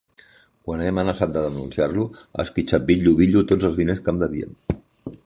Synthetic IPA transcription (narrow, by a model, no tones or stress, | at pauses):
kwaneəmənəsat̪̚d̪əðənunsiarluə̰skit͡ʃat̪̚biʎːuβiʎut̪od͡zəlˠzðineskamd̪əβiə̰m